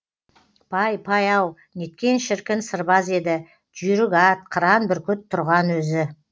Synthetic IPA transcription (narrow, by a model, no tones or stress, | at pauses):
pʰɑjpʰɑjɑw | ne̞t̪̚kʲe̞nʃɪɾkʲɪnsəɾbɑze̞d̪ɪ | d͡ʒʏjɾɪɡɑt̪̚qʰəɾɑnbɪɾkʲʰʏt̪ʰːʊɾʁɑnwɵzɪ